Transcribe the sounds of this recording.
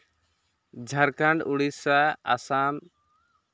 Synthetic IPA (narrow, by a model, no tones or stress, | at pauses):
d͡ʒʱaɾkaɳɖuɽisaa̰sam